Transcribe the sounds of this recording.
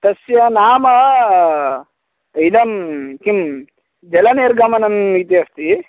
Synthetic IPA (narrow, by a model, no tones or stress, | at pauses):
t̪ɐsjɐnaːmɐ | id̪ɐmkim | d͡ʒɐlɐneːɾɡɐmɐnɐmit̪iɐst̪i